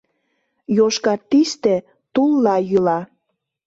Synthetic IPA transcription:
joʃkɑt̪ːiʃt̪ĕ | t̪ulːɑjylɑ

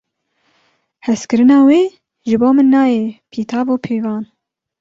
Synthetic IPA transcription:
hɛskɨɾɨnɑːweː | ʒɨboːmɨnːɑːjɛpʰiːt̪ʰɑːboːpʰeːvɑːn

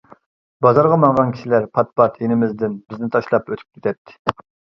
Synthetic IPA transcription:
bɑzɑɾʁɑmɑŋʁɑnkʲʰi̥ʃilæɾpʰɑt̪̚pɑt̪ʰenɪmɪzd̪ɪnbɪznɪt̪ʰɑʃlˠɑpøt̪ʰy̥p̚kʲʰet̪ʰɛt̪ʰːɪ̥

